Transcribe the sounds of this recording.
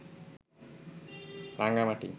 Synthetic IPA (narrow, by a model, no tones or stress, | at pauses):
ɾaŋɡamaʈḭ